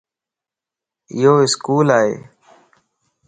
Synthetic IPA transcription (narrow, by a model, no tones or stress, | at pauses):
ɪ̰ɦoːɪskuːlaːɦḛː